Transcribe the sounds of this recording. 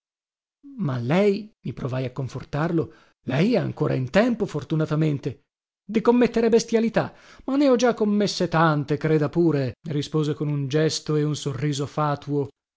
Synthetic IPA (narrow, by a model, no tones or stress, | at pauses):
malːɛjmipɾovajakːoɱfort̪arlo | lɛjɛa̰ŋkoːɾʔa̰int̪ɛmpofort̪unat̪ament̪e | d̪ikomːet̪ːeɾebest̪jalit̪a | manːeɔd͡ʒakːomːesːet̪ant̪ekɾeːd̪apuːɾerispoːzekonund͡ʒɛst̪oeunsorːiːzofaːt̪uo